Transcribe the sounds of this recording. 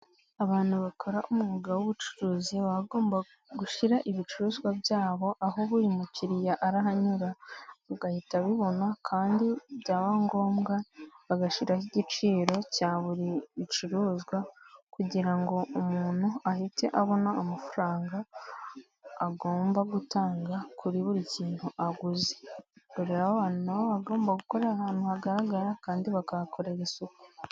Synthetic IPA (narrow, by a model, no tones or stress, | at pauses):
aβaːn̥huβakʰo̞ɾaʔumuuɡawoβut͡ʃu̥ɾuːziβaβaɡo̞ːmba | ɡuʃiɾaʔiβit͡ʃuɾuːzɡwabjaːβo̞ʔaɦo̞βuɾimuciɾijaʔaɾaɦaɲuɾaβuɡahitaβiβo̞nakʰaːndiβɟaːβaŋɡo̞ːmɡaβaɡaʃiɾahiɟit͡ʃiːɾo̞caːβuɾiit͡ʃiɾuːzɡwakuɟiɾaŋɡo̞ʔumuːn̥huahite̞̰ʔaβo̞naːmafuɾaːŋɡa | ɡo̞ːmbaɡutaːŋɡakʰuɾiβuɾiciːnhuʔaɡuzeβuɾeɾaohaːnunaβoβaɡo̞ːmbaɡuko̞ɾe̞ɾahaːn̥huhaɡaɾaɡaɾakaːndiβakakʰo̞ɾe̞ɾisuku